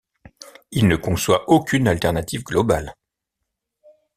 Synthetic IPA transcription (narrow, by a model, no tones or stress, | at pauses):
ilnəkɔ̃swaʔokʲʰynalt̪ɛʁnat̪ivɡlɔbal